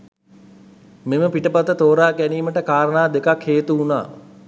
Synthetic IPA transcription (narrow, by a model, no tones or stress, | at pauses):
meməpiʈəpat̪ət̪oːɾaːkæniːməʈəkaːɾənaːd̪ekakheːt̪uuna̰ː